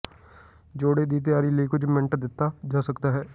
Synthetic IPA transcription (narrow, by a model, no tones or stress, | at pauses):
d͡ʒoːɽeːd̪iːt̪̬ɪjaːɾiːləiːkʊd͡ʒmɛɳʈd̪ɪt̪ːaːd͡ʒaːsəkd̪aːɦɛː